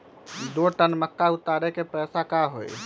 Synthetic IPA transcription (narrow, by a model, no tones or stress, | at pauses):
d̪oʈənmək̪ːaut̪ːaɾekepɛsakaɦo̰j